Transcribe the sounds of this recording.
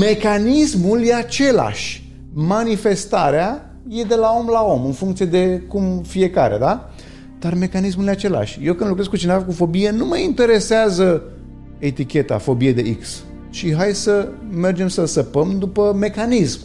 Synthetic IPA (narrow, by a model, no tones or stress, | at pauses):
me̞kanismuljeat͡ʃe̞la̰ʃʲ | manife̞st̪aɾea | je̞d̪e̞lao̞mlao̞mɨnfuŋkt̪sije̞d̪e̞kumfije̞kaɾḛd̪a | d̪̥arme̞kanis̬muljeat͡ʃe̞la̰ʃʲjewkɨnd̪lukɾesɡkut͡ʃinevakufo̞bijenuməint̪e̞ɾe̞seazə | e̞t̪ikʲe̞t̪a̰fo̞bijed̪e̞iks | t͡ʃiɦajsəme̞rd͡ʒe̞msəsəpəmd̪upəme̞kanism